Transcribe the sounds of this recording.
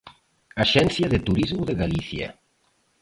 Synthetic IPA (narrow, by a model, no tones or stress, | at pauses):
aʃɛnθjaðet̪uɾizmuðeɣaliθja̰